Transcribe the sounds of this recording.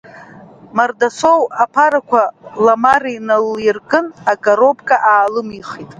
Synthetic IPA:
mardasowapʰaɾakʷʰalamarijnaljirkʼɨnaɡʼaɾo̞bkʼaʔaːlɨmiχitʼ

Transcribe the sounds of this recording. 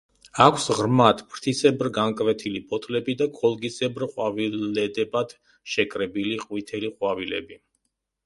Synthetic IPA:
akʰsʁɾmat̪ʰpʰɾt̪ʰisɛbɾɡaŋkʼvɛt̪ʰilipʰʼɔt̪ʰlɛbid̪akʰʼɔlˠɡisɛbɾqʼwavilɛd̪ɛbad̪̥ | ʃɛkʼɾɛbiliqʼwit̪ʰɛliqʼwavilɛ̰bi

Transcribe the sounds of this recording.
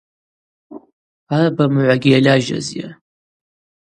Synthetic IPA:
arbamʕʷaɡʲijalʲaʒa̰zja̰

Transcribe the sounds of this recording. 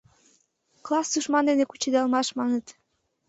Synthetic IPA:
klɑsd̪uʃmɑnd̪enekut͡ɕed̪ɑlmɑʃmɑnət̪

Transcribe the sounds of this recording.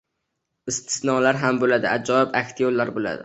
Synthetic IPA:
ɪst̪ʰɪ̥snɒlaɾɦambolad̪ɪʔad͡ʒɒɪbakʲt̪ʰijolːaɾbola̰d̪ɪ̰

